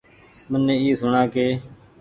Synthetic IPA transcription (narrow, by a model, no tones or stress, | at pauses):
mənːẽːiːsʊɳãːkeː